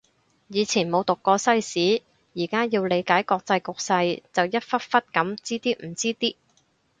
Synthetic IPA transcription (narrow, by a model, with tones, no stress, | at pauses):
jiː˨˧t͡sʰiː˨˩nmo˨˧wt̪ʊ˨kːɔː˧sɐ˥jsiː˨˥ | jiː˨˩kaː˥jiː˧wle˨˧jkaː˨˥jkɔː˧k̚t͡sɐ˧jkʊ˨k̚sɐ˧jt͡sɐ˨wjɐ˥t̚fɐ˥t̚fɐ˥t̚kɐ˨˥mt͡siː˥t̪iː˥m̩˨˩t͡siː˥t̪iː˥